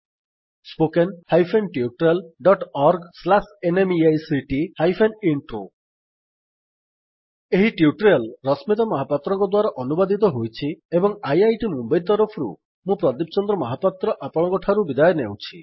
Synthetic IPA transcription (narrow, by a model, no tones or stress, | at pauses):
spokenhajpʰenʈiuʈɾelɖɔʈɔɾɡslasenemiajsiʈihajpʰeniɳʈɾo | eɦiʈiuʈɾelɾɔsmit̪ɔmɔɦapat̪ɾɔŋkɔd̪waɾɔʔɔnubad̪it̪ɔɦojt͡ʃʰiebɔŋajajʈimumbajɾt̪ɔɾɔpʰɾṵ | mũpɾɔd̪ip̚t͡ʃɔnd̪ɾɔmɔɦapat̪ɾɔʔapɔɭɔ̃ŋkɔʈʰaɾubid̪ajɔnewt͡ʃʰi